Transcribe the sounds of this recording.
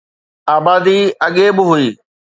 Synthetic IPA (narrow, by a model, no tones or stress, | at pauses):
aːbaːd̪iːɐɠebɪɦʊiː